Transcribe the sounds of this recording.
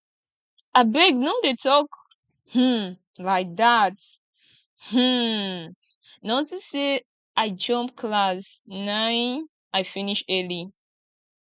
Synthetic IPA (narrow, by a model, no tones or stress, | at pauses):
abɛɡ̚nodetʰɔk | hm̩ | laɪk̚ðat | h̩ | nãtɨse | aɪd͡ʒʌ̃mpkʰlasnãɪ̃n | aɪfiniʃɜli